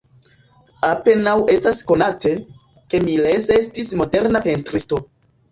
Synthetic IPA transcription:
ape̞nawe̞stasko̞natʰe̞ | ke̞mile̞se̞stismo̞de̞ɾnape̞ntɾisto̞

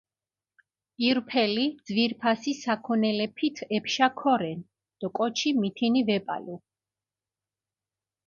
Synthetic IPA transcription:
iɾpʰɛlid̪z̥viɾpʰasisakʰɔnɛlɛpʰit̪ʰɛpʰʃakʰɔɾɛn | d̪̥ɔkʼɔt͡ʃʰimit̪ʰinivɛpʼa̰lu

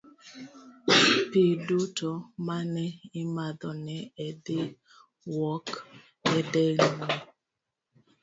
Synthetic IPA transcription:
pidutɔmanɛɪmad̪ɔnɛɛdɪ | wɔk | ɛdɛlinɔ

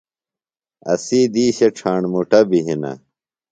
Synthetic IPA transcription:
ɐ̰siːd̪iːɕɐʈ͡ʂʰaːɳmuʈɐbiɦinɐ̰

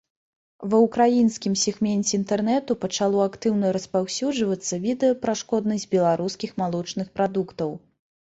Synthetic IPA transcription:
vɐwkɾajinskʲimsʲɛɣmʲɛnʲt͡sʲɛint̪ɛrnɛt̪upɐt͡ʂalˠɔakt̪ɨwnɐɾɐspawsʲud͡ʐvɐt̪sːɐvʲid̪ɛjɐpɾaʂkɔd̪nɐsʲd͡zʲbʲɛlˠaɾuskʲixmalˠɔt͡ʂnɨxpɾad̪ukt̪ɐw

